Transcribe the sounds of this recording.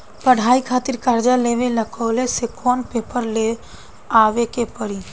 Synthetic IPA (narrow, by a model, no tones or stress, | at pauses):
pəɽ̤ʱaːikʰaːt̪iɾkaɾd͡ʒaleːʋeləkʰɔːlesekʰɔːnpeːpəɾle | aːʋekepəɾi